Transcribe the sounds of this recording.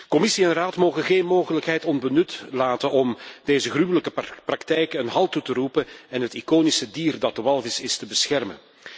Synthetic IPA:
kɔmɪsiɛnraːtmoːɣəɣeːnmoːɣələkɦɛjtɔnbənʏtlaːtənɔmd̥eːzəɣrywələkəprɑktɛjkənɦɑlˠtutəɾupənɛnɦətikoːnisədiːrdɑt̚dəʋɑlˠvɪsɪstəbəsxɛrmə̰n

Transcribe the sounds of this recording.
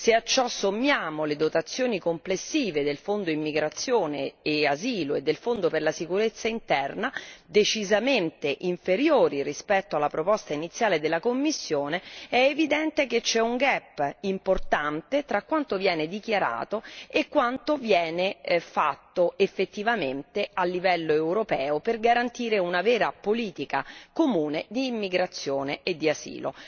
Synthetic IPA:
seat͡ʃːɔsːomːjaːmoled̪ot̪at̪sːjoːnikomplesːiːved̪elfond̪oimːiɡɾat̪sːjoːneːaziːloed̪ːelfond̪operlasikuɾet̪sːaint̪ɛrnad̪et͡ʃizament̪eʔiɱfeɾjoːɾirispɛt̪ːoalːapɾopɔst̪ainit̪sːjaːled̪elːakomːisːjoːneɛːvid̪ɛnt̪ek̟et͡ʃːɛuŋɡɛpːimport̪ant̪et̪ɾakwant̪ovjɛːned̪ikjaɾa̰ːt̪oekːwant̪ovjɛːnefat̪ːoefːet̪ːivament̪ealːivɛlːoewɾopɛːoperɡaɾant̪iːɾeunavɛːɾapoliːt̪ika̰komuːned̪iːmːiɡɾat̪sːjoːneed̪ːiasḭːlo̰

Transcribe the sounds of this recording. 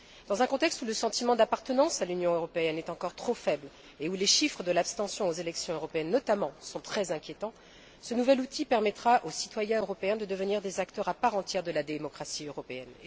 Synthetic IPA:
d̪̥ɑ̃zɛ̃kɔ̃t̪ɛkst̪uləsɑ̃t̪imɑ̃d̪apaʁt̪ənɑ̃salynjɔ̃øʁɔpeɛnɛt̪ɑ̃kɔʁt̪χofɛbl | euleʃifχəd̪əlapst̪ɑ̃sjɔ̃ozelɛksjɔ̃øʁɔpeɛnːɔt̪amɑ̃sɔ̃t̪χɛzɛ̃kʲjet̪ɑ̃ | sənuvɛlut̪ʰipɛʁmɛt̪χaʔosi̥t̪wajɛ̃øʁɔpeɛ̃d̪əd̪əvəniʁd̪ezakt̪œʁapaʁɑ̃t̪jɛʁd̪əlad̪emɔkχasiøʁɔpeɛn

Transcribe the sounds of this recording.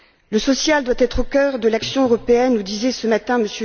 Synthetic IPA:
ləsɔsjald̪wat̪ɛt̪χokʲœʁd̪əlaksjɔ̃øʁɔpeɛnud̪izɛsəmat̪ɛ̃məsø

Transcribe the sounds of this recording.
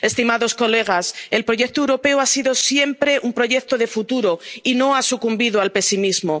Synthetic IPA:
e̞st̪imaðo̞sko̞le̞ɣ̞ase̞lpɾo̞ʝe̞k̚t̪oewɾo̞pe̞wasiðo̞sje̞mpɾe̞ʔumpɾo̞ʝek̚t̪oðe̞fut̪uɾo̞ino̞asukumbiðoalpe̞simizmo

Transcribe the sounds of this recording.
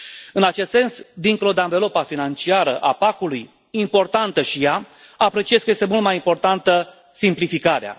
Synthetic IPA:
ɨnat͡ʃe̞st̪se̞nsd̪iŋkolod̪eaɱvelopafinant͡ʃiaɾəʔapakuluj | impo̞rt̪ant̪əʃija | apɾe̞t͡ʃijeskəje̞st̪e̞mult̪majimpo̞rt̪ant̪ə | simplifikaɾea̰

